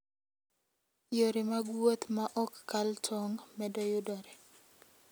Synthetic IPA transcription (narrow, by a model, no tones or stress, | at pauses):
joɾimaɡwot̪maʔɔkːaltʰɔŋmɛdɔjʊdɔɾɛ